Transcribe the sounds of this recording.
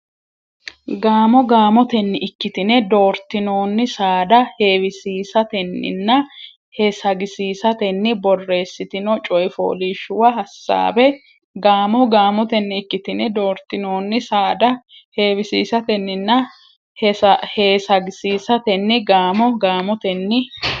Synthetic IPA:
ɡaːmɔɡaːmɔt̪ɛnːɪʔɪkːɪt̪ɪnɛd̪o̞ːɾt̪ɪno̞ːnːɪsaːd̪ɐheːwɪsiːsɐt̪ɛnːɪ̰nːɐ | hɛsɐɡɪsiːsɐt̪ɛnːɪbɔrːe̞ːsːɪt̪ɪnɔt͡ʃʼɔjɪfo̰ːliːʃʊwɐɦɐsːa̰ːbɛ | ɡaːmɔɡaːmɔt̪ɛnːɪɪkːɪt̪ɪnɛd̪o̞ːɾt̪ːɪnoːnːɪsaːd̪ɐ | heːwɪsiːsɐt̪ɛnːɪnːɐ | hheːsɐɡɪsiːsɐt̪ɛnːɪɡaːmɔɡaːmɔt̪ɛnːɪ

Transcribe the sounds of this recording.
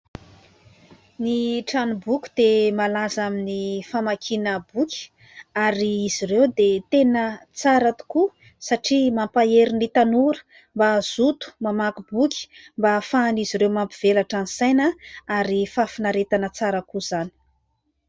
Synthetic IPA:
niʈ͡ʂanibukʲu̥d̪emalazaminifamakʰinəbukʲi̥ | aɾiiz̥irewd̪et̪enət͡saɾat̪u̥ku | saʈ͡ʂimampaeɾinit̪anuɾə̥ | mbaz̥ut̪u̥mamakubukʲi̥mbafaniziɾewmampiv̥elaʈ͡ʂanisajnəaɾifafinaɾet̪anət͡saɾəkuz̥ani̥

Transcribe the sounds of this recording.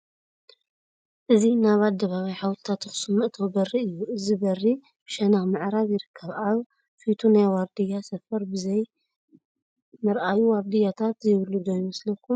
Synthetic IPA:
ʔɨzinaβad̪ɐβaβajħawt̪ʰɨ̥t̪ʰat̪ɨxɨ̥sumːɨʔt̪ʰowbɐrːiɨjːuɨzibɐrːi | b̥ʃɐnaxmɨʕɾaβjɪɾɨkʰːɐβaβ | fit̪ʰunajwaɾd̪ɨjasɐfɐɾbɨzɐj | mɨɾʔajuwaɾd̪ɨjat̪ʰat̪jɪβɨlːud̪ojmɐslɐkʰːum

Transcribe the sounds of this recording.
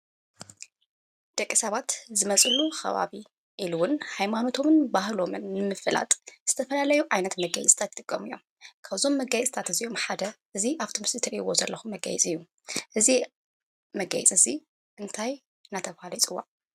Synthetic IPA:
d̪̥ɐkʼːisɐβat̪zɨmɐt͡sʼɨluxɐ̰βa̰βi | ʔiluwʊnhajmano̞t̪ʰo̞mɨnbahlo̞mɨnːɨmɨfɨla̰t̪ʼz̥ɨt̪ʰɐfɐlalɐjuʕajnɐt̪mɐɡa̰jɛt͡sʼt̪ʰat̪ji̥t̪ʼɨkʼːɐmɨjːom | kʰaβzo̞mːɐɡajt͡sʼt̪ʰat̪ɨzio̞mħad̪ɐʔɨziʔaβt̪ʰomɨsit̪ʰɨɾiiwo̞zɐlːɐxumːɐɡɐ̰jɛ̰t͡sʼɨjːu | ʔɨzi | mɐɡɐ̰jɛt͡sʼɨzi | ʔɨnt̪ʰaj | ɨnːat̪ʰɐβhalit͡sʼɨwa̰

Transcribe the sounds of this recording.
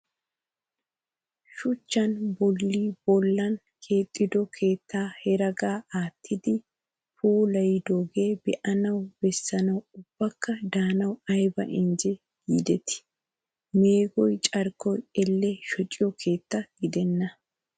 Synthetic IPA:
ʃʊt͡ʃːɐnbɔlːiːb̥ɔlːɐn | kʰe̞ːt̪ʼːɪd̪ɔkʰe̞ːt̪ʰːaːhɛɾɐɡaːʔaːt̪ʰːɪd̪ɪ | puːlɐjɪd̪oːɡe̞ːbɛʔɐnɐwbɛsːɐnɐwʊb̥ːɐkːɐd̪aːnɐwɐjbɐ̰ʔɪnd͡ʒɛ | ɡiːd̪ɛt̪ɪ̥ | me̞ːɡɔjt͡ʃʼɐɾkːɔjɛlːɛʃɔt͡ʃʼːɪjɔkʰe̞ːt̪ːɐɡ̥ɪd̪ɛnːɐ

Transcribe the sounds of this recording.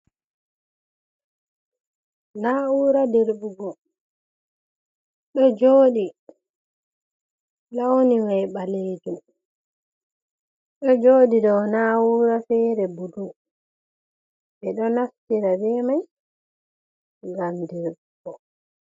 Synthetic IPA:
naːuːɾadeɾbuɡɔ | ɗɔd͡ʒoːɗi | lawoniwajɓaleːd͡ʒum | ɗɔd͡ʒoːdidɔwnawuːɾafɛːɾɛbudu | bɛɗɔnaftiɾabɛmaj | ŋɡamdeɾbuɡɔ

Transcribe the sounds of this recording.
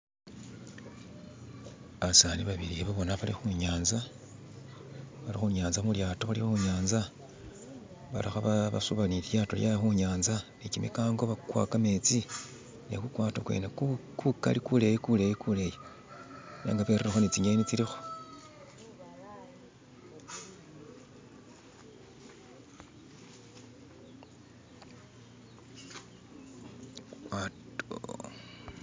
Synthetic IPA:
aβasaːniβaβiɾieβaβonaβalixuɲaːnza | βalixuɲaːnzamuljaːtoaliuɲaːnza | βa̰lixaβaβa̰suβaniljaːtoljajaxuɲaːnzanecimḭkaːŋɡoβakwa̰ːkame̞t͡si | nḛkukwaːtokwḛnekuka̰likule̞jikulejikuleji | na̰ːŋɡapeɾeɾexo̞nit͡siɲɡenit͡siɾixo̥ | wat

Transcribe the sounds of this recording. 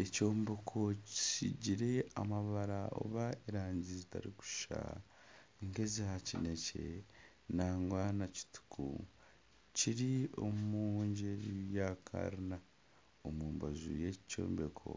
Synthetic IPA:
eco̞ːmbekʰo̞ci̥siɟiɾe̞amaβaɾao̰βaeɾaːɲizita̰ɾiku̥ʃʃa̰ | iŋkezihacine̞cḛ | naːŋɡwaːnaci̥tu̥kʰṵ | ciɾio̞mumuːɲɟeɾijakʰa̰ɾina | omuːmbazṵjeco̰ːmbekʰo̞̰

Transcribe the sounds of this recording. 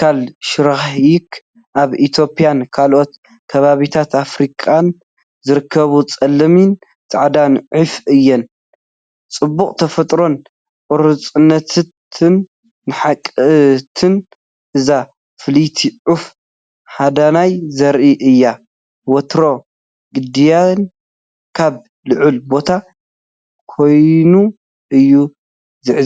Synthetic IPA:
kʰalʃɪɾaxħjik | ʔaβʔit̪ʰjo̞pʼijankʰalʔo̞t̪ | kʰɐβaβit̪ʰat̪afɾikʼan | zɨɾɨkʰːɐβut͡sʼɐlːɐmin | t̪ʼaʕd̪anʕufʔɨjːɛn | t͡sʼɨbːuχʼt̪ʰɐfɐt̪ʼɾo̞n | kʼɔɾɨt͡sʼɨnːɐt̪ʰt̪ʰɨnː | ɨħakʼɨt̪ʰɨn | ʔɨza | fɨlit̪ʰiʕuf | had̪anajzɐɾʔiʔɨjːa | wɐt̪ɾo̞ | ɡɨd̪ijan | kʰaβ | lɨʕʊlbo̞t̪ʰa | kʰo̞jnu | ʔɨjːu | zɨʕ

